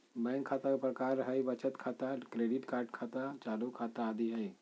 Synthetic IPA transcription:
bɛ̃ŋkʰːat̪akpɾəkaːɾɦəjbət͡ʃət̪kʰat̪akɾeɖiʈkaːɾʈ̚kʰat̪at͡ʃaːlukʰaːt̪aːd̪iɦəj

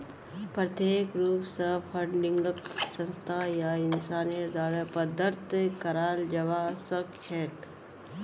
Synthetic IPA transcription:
pɾɐt̪eːkɾuːpsɐpʰɐɳɖɪ̃ŋɡəksə̃nst̪ʰajaɪnsaːnijəɾd̪aːɽəpɐd̪ʱəɾt̪kɐɾaːld͡ʒɐʋaːsəkt͡ʃʰɛːʈ

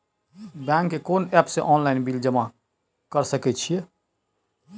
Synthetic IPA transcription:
bɛ̃ŋkːekonɛpsẽʔɔnlainbild͡ʒəma | kəɾsəkɛt͡ʃʰije

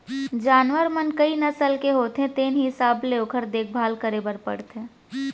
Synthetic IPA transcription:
d͡ʒaːnʋəɾmənkəinɐəsəlkeɦoːt̪ɦẽt̪eːnɦiɦɪsaːbleokʰəɾd̪eːk̚ʰbʱaːlkəɾebəɾpə̰ɽt̪ẽː

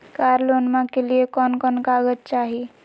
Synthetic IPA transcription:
kaːɾloːnmãkeliekɔːnkɔːnkaːɡət̪̚t͡ʃaːɦii

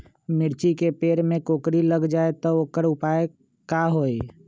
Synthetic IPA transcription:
mɪɾt͡ʃikepeːɾmẽkoːkɾiləɡd͡ʒaːet̪ɔoːkəɾʊpaːe | kaɦoːi

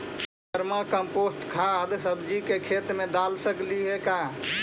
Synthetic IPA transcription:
d̪əɾmakəmposʈ̪kʰad̪səbd͡ʒikekʰet̪mẽd̪alsəkliɦeka

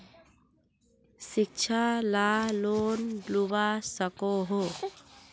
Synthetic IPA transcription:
sɪk̚t͡ʃʰalaloːndlubasəkoɦo

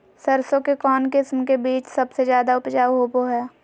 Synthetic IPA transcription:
sɐɾsõkekɔːnkɪsmkebiːt͡ʃsɐbsezjaːd̪aʊpd͡ʒaːɦoːboɦɛː

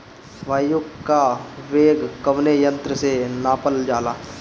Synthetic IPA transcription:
ʋaːjʊkkːaʋeːɡkəʋnejə̃nt̪ɾəsenaːpəld͡ʒaːlaː

